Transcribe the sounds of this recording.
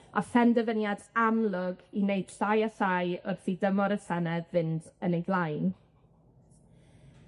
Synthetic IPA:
a̰fɛndɛvənjadamlˠʊɡineɨd̥ɬajasajʊrθidəmɔɾəsɛnɛðvɪndənejdlˠajn

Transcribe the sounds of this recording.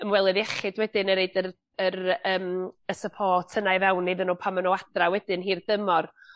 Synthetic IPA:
əmwɛlˠɪðɛχɨdwɛdɪnəɾeɨdər | əɾəːməsəpʰɔːtʰənajvɛwnːejðənoːpʰamənɔad̥rawɛdɪnɦiːrd̥əmɔr

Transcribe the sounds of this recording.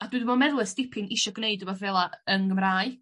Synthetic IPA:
aduːdumɔnmɛðlˠɛstɪpʰɪŋɪʃɔɡneɨdɔbɔðvɛlˠaənɡəmraːɨ

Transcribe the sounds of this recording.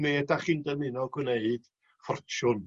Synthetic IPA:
medaχiːndənɪnɔɡwneɨd̥ | fɔrt͡ʃʊn

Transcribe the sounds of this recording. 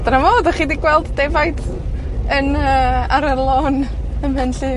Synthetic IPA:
dɾamoːdɔχiːdiɡwɛlˠdːevajd | ənəːaɾərlˠoːnəmhɛnɬɨː

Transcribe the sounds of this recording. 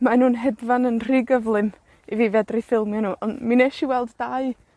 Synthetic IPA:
manuːnɦɛdvanənr̥iːɡəvlˠɨm | iviːvɛdrifɪlˠmjanuːʔɔnmineʃiwɛlˠdːaɨ

